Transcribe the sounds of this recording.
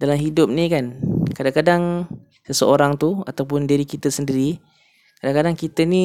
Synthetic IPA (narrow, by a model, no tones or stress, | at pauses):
dalamɦidʊp̚nikankadaŋkadaŋ | səsəoɾaŋt̪uat̪awp̬ʊndiɾikit̪əsəndiɾi | kadaŋkadaŋkit̪əni